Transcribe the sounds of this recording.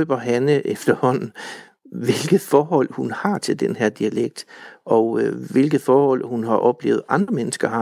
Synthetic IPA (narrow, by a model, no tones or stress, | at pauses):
øb̥ɒɦænəʔefd̥ɐhɒ̽n̰n̩ | ʋe̝lɡ̥ð̩ˠfɒːɦɒ̽l̰hunhɑ̈t͡sʰe̝ld̥enheɐ̰d̥iæleɡ̥̚d̥ʔɒ̽ʋe̝lɡ̥ð̩ˠfɒːhɒ̽l̰hunɦɑ̈ʔɒ̽b̥lḛːʊð̩ˠɑ̈nd̥ʁɐmenəsɡ̥ɐhɑ̈